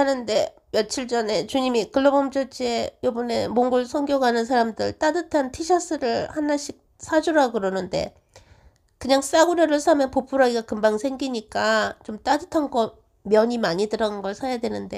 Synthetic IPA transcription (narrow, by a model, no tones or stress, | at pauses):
anɯnde̞ | mjʌt͡ɕʰiɭt͡ɕ͈ʌne̞t͡ɕuɲimikɯɭːobʌmt͡ɕot͡ɕʰie̞jobʌne̞moŋɡuɭsʰʌŋɡjʌɡanɯns̬ʰaɾamdɯɭt͈adɯtʰantʰiɕʰas͈ɯɾɯɭhanːaɕ͈ʰik̚ | s͈ʰad͡ʑuɾaɡɯɾʌnɯnde̞̰ | kɯɲaŋs͈aɡuɾjʌɾɯɭsʰamjʌnpopʰuɾaiɡakɯmbaŋsʰe̞ŋɡiɲik͈at͡ɕomt͈adɯtʰanɡʌ | mjʌɲimaɲidɯɾanɯnɡʌɭsʰajadwe̞nɯnde̞